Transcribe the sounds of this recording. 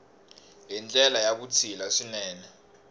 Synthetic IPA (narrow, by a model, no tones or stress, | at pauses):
jint͡ɬʼɛlajak̬ut͡sʰilaʂinɛːnɛ